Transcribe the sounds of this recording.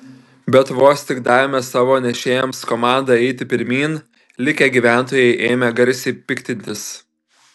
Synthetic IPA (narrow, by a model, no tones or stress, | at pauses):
bʲɛt̪ʊʋoːsʲt̪ʲɪkd̪ɑːʋʲɪmʲɛsɑːʋoːnʲɛʃʲeːjɛmskɔmɑˑnd̪ɑɛɪt̪ʲɪpʲɪɾʲmʲiːn | lʲɪkʲeɡʲiːʋʲæˑnˑt̪oːjɛɪʔeːmʲɛɡɐɾʲsʲɛɪpʲɪkʲt̪ʲɪnʲt̪ʲɪs